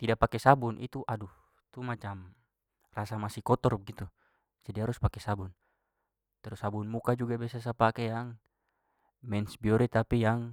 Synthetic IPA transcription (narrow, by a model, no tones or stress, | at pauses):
t̪idaʔpakɛsabunʔḭt̪uʔadu | t̪umat͡ʃam | rasamasikɔt̪ɔrb̚ɡit̪u | d͡ʒadiɦaɾuspakɛsabun | t̪ɛɾusabunmukad͡ʒuɡabɛsas̬apakɛjaŋ | mɛnsbiɔɾɛt̪apijaŋ